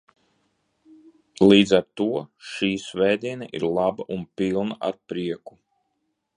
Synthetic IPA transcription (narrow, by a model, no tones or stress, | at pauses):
lˠiːd̪zaɾt̪uɔʃiːsvɛjd̪iɛnɛʔḭɾlˠabaʔunpilˠnaʔaɾpɾiɛku